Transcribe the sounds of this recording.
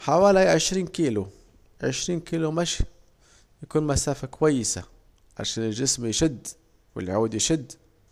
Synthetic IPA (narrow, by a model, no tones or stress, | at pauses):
ħawæliʕəʃɾiːnkilu | ʕəʃɾiːnkilumæʃ | jkunmæsæfakwæjːəsa̰ | ʕa̰ʃænəlʒəsmjʃəd̪ː | wə̰lʕud̪jʃəd̪ː